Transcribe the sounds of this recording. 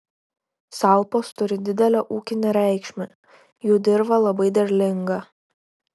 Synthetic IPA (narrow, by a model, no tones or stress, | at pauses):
sɑˑlˠˑpoːst̪ʊɾʲɪd̪ʲɪd̪ʲɛlʲɛʔuːkʲɪnʲeɾʲæˑɪkʃʲmʲɛ | juːd̪ʲɪɾbɐlˠɐbɐɪd̪ʲɐɾʲlʲɪŋɡɐ